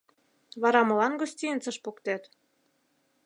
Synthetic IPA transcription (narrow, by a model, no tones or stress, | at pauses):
βɑɾɑmɤ̆lɑnɡosʲtʲiənt͡sɤ̆ʃpukt̪æt̪